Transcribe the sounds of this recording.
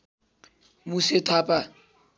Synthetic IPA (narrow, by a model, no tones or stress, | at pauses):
mʊsɪtʰaːpʼa